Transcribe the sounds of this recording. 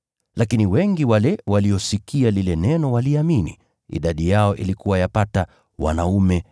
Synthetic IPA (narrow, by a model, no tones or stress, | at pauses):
lakiniwɛŋɡiwalɛwaliɔsikialilɛnɛnɔwaliamini | ḭɗaɗijaɔʔilikuwajapata | wa̰naumɛ